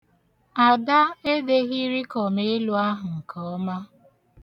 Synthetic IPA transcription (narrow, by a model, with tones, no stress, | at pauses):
a˨da˦e˦de˦ɣi˦ɾi˦kɔ˨me˦lu˦a˦ɦʊ˨ŋ̩˨kʰɔ˦ɔ˦ma˦